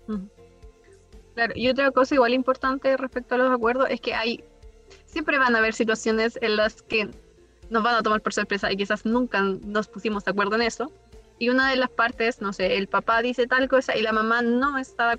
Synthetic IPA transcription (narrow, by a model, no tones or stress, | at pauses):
m̩ | klaɾo̰ʔiot̪̬ɾako̞saiɣwalimpo̞ɾt̪ant̪erespek̚t̪oalosakwe̞ɾð̞ose̞ske̞ʔaj | sje̞mpɾe̞βanaβe̞ɾsit̪̬wasjo̞ne̞senlaske | nozβanat̪o̞maɾpo̞ɾsoɾpɾesaʔik̬isasnũŋkano̞spusimozðeakweɾð̞oene̞so̞ | iunaðe̞laspaɾt̪esno̞seelpapaðise̞t̪alko̞saʔilamamano̞est̪aða